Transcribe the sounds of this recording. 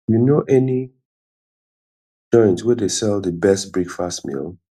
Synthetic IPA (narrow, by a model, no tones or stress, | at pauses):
junoʔɛni | d͡ʒɔ̃ɪ̃ntwɛdesɛlˠdəbɛst̚bɹikfastmḭlˠ